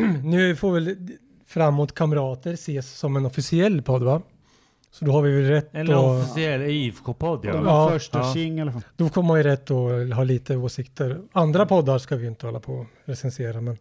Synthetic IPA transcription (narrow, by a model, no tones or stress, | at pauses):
nʉ̟ːfɔɾvɛl | fɾamːuːt̪kʰamɾɑːt̪əɾseːsːɔmɛnɔfɪsɪɛlːpʰɔd̪ːva | sɔd̪ɔhaɾvɪvɛlɾɛt̪ːɔfɪsɪɛlːfkʰoːpʰɔd̪̰ːɑːœʂɪŋːɛd̪̥ɔkʰɔməaɪɾɛt̪ːɔɦɑːliːt̪əoːʂɪkt̪əɾand̪ɾapʰɔd̪ːaɾʂkavɪjʏɪnt̪əhɔlːapʰɔ | ɾɛsɛnseːɾamɛn